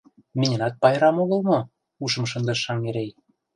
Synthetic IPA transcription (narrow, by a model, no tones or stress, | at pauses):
menʲɘ̆nɑt̪̚pɑjɾɑmoɣɤ̆lmɤ̆ | uʃɤ̆mʃ̬ɤ̆nd̪ɤ̆ʃːɑŋeɾej